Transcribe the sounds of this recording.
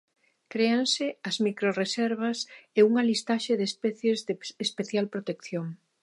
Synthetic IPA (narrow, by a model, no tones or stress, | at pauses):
kɾeansɪɐzmikɾoresɛɾβɐseuŋɐlist̪aʃeðespɛθjezðeespeθjalpɾot̪ekθjoŋ